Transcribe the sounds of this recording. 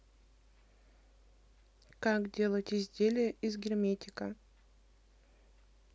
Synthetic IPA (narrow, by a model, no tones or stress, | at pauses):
kakdʲe̞lˠətʲɪzʲdʲelʲɪjəʔɪzɡʲɪrmʲetʲɪkə